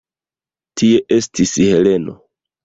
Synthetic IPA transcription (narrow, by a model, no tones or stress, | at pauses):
tie̞ʔe̞stishe̞le̞no̞̰